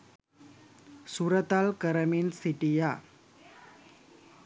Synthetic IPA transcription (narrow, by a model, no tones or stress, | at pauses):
suɾət̪alkəɾəminsiʈija